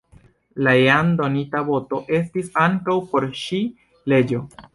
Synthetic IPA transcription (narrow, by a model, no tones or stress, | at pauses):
laeando̞nitaβo̞to̞ʔe̞stisaŋkawpo̞ɾʃi | le̞d͡ʒo̞